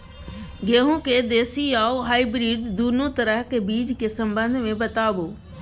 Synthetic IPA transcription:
ɡeːɦũked̪eːsiaːoɦaːibɾiːd̪d̪uːnot̪ɐɾəɦkebiːd͡ʑkesɐ̃mbə̃nd̪ʱmẽbɐt̪aːboː

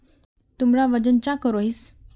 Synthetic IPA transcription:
t̪umɾaʋəd͡ʑənt͡ɕakəɾois

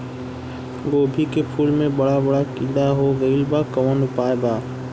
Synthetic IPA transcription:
ɡoːbʱikepʰuːlmẽɓɐɽabɐɽakɪ̃ɗ̪aɦoːɡəiːlbaːkɐʋənʊpaːebaː

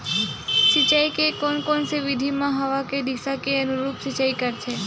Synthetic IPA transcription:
ʃit͡ɕajkekonkonsibid̪ʱimãɦawaked̪iʃakeənuɾupsit͡ɕajkəɾt͡ɕʰe

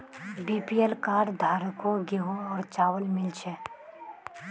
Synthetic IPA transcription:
biːpiːelkaːɖd̪ʱaːɾəkoɡeɦõɔːɾt͡ʃaːwəlmɪlt͡ʃʰe

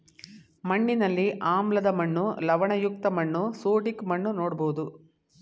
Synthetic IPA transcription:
mɐɳːinɐlːiʔaːmlɐd̪ɐmɐɳːulɐʋɐɳɐjuk̚t̪ɐmɐɳːusoːʈikmɐɳːunoːɽɐboːd̪u

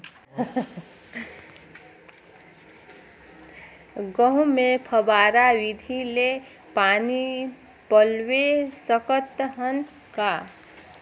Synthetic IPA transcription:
ɡʌɦũmepʰəbaɾawid̪ʱile | pani | pəlwesəkət̪ɦən | ka

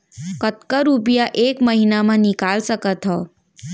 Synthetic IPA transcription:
kət̪kəɾupjaʔeːkməɦinamãnikaːlsəkət̪ɦɔː

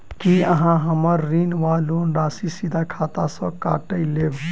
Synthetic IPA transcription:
kiəɦãɦəməɾːinʋalonɾasisid̪ʱakʰat̪asə̃kaʈəɪleb

